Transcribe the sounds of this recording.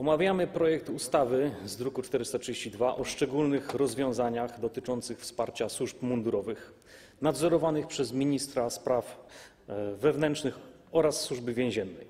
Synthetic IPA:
ɔmavʲjamɘpɾɔjɛkt̪ust̪avɘzd̪ɾukut͡ʂt̪ɛɾɘst̪atʂɨd͡ʑeɕt͡ɕid̪vaʔɔʂt͡ʂɛɡulnɘxɾɔzvʲjɔ̃w̃zaɲaxd̪ɔt̪ɘt͡ʂɔnt̪sɘxfspaɾt͡ɕaswuʐpmund̪uɾɔvɘx | nad̪zɔɾɔvanɘxpʂɛzmʲiɲist̪ɾaspɾaf | vɛvnɛntʂnɘx | ɔɾasːwuʐbɘvʲjɛ̃w̃ʑɛnːɛj

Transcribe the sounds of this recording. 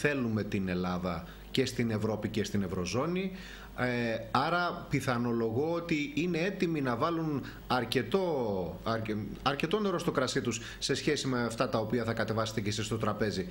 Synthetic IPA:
θe̞lume̞t̪ine̞lɐðɐ | ce̞st̪ine̞vɾo̞pice̞st̪ine̞vɾo̞zo̞ni | ɐɾɐpiθɐno̞lo̞ɣo̞ot̪iine̞e̞t̪iminɐvɐlun | ɐɾce̞t̪o̞ɐɾɐɾce̞t̪o̞ne̞ɾo̞st̪o̞kɾɐsit̪us | se̞sçe̞simeɐft̪ɐt̪ɐo̞piɐθɐkɐt̪e̞vɐset̪ecesist̪o̞t̪ɾɐpe̞zi

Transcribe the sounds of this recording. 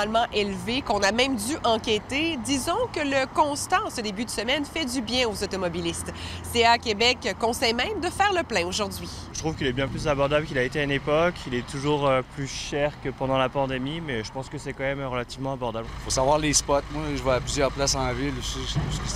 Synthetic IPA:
lmɑ̃ʔelvekɔ̃namɛ̃md̪yʔɑ̃kʲet̪ed̪izɔ̃kələkɔ̃st̪asəd̪ebyd̪əsəmɛnfɛd̪ybjɛ̃ozɔt̪ɔmɔbilist̪seakʲebɛkkːɔ̃sɛjmɛ̃md̪əfɛːʁləplɛ̃oʒuʁd̪ɥi | ʒət̪χuvkʲilɛbjɛ̃plyzabɔʁd̪ablkilaet̪eaynepɔkʰilɛt̪uʒuːʁøplyʃɛʁkəpɑ̃d̪ɑ̃lapɑ̃d̪emimɛʒəpɑ̃skəsɛkɑ̃mɛmʁəlat̪ivmɑ̃abɔʁd̪ablfosavwaʁlespɔt̪mwaʒəvwaaplyzjœʁplasd̪ɑ̃mavilɛusə

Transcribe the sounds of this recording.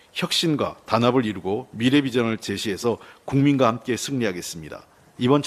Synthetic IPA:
çjʌk̚ɕ͈inɡwa̰tanabɯɾiɾuɡomiɾe̞bid͡ʑʌŋɯɭt͡ɕe̞ɕʰiɦe̞sʰʌkuŋminɡwahamk͈e̞sʰɯŋɲiɦaɡe̞s͈ɯmɲida̰ | ibʌnt͡ɕʰ

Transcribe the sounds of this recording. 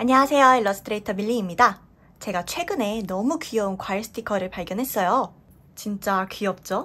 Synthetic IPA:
aɲʌwasʰe̞joiɭːʌs͈ʰɯtʰɯɾeitʰʌmiʎːiːmɲida | t͡ɕe̞ɡat͡ɕʰwe̞ɡɯne̞nʌmukiʌunkwaiɭs͈ʰɯ̥tʰikʰʌɾɯɭpaɭɡjʌnɦe̞s͈ʌjo | t͡ɕint͡ɕ͈akɥiʌp̚t͡ɕ͈o

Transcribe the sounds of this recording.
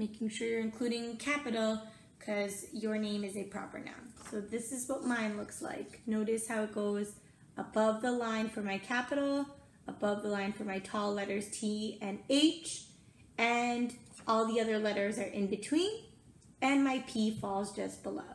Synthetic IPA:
meɪkɪ̃ŋʃʊɹɨ̃nkʰl̥ʉɾɪ̃ŋkʰæpɨɾl̩ˠ | kʰʌzjə˞nẽɪ̃mɨzɨpʰɹ̥ɑ̰pə̰˞nã̰ʊ̃msoʊðɪsɨzwʌt̚mãɪ̃nlʊksla̰ɪknoʊɾɨshaʊɨt̚ɡ̥oʊz | ʔəbʌvðəlãɪ̃nfə˞maɪkʰæpɨɾl̩ˠ | əbʌvðəlãɪ̃nfə˞maɪtʰɔlˠɛɾə˞z̥tʰiɨ̃neɪt͡ʃ | ɨ̃nʔɔlˠðiʌðə˞lɛɾə˞zə˞ʔɨ̰̃nbɨtʰw̥ĩn | ɨ̃nmaɪpʰifɔlˠzd͡ʒʌsb̥əlo̰ʊ

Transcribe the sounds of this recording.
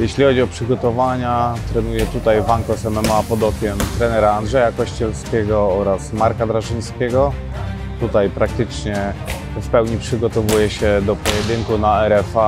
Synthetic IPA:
jɛɕlʲixɔd͡ʑiɔpʂɘɡɔt̪ɔvaɲat̪ɾɛnujɛt̪ut̪ajvaŋkɔsɛmɛmɔapɔd̪ɔkʲjɛmt̪ɾɛnɛɾaːnd̪ʐɛjakɔɕt͡ɕɛlskʲɛɡɔɔɾasmaɾkad̪ɾaʐɘɲskʲɛɡɔ | t̪ut̪ajpɾak̚t̪ɘt͡ʂɲɛ | fpɛwɲipʂɘɡɔt̪ɔvujɛɕɛd̪ɔpɔjɛd̪ɘŋkunaɛɾɛfa

